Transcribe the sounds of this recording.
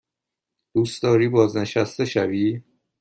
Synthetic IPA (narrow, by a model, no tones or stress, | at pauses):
d̪̥uːstd̪ɒːɾiːbɒːzneʃæst̪eʃæbiː